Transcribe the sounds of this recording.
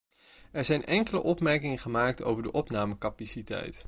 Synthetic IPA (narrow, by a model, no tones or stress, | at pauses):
ɛɹzɛjnʔɛŋkələ̰ʔɔpmɛɹkɪŋəχəmaːk̚to̰wvəɹdəʔɔpnaːməkɑpasitɛ̰jt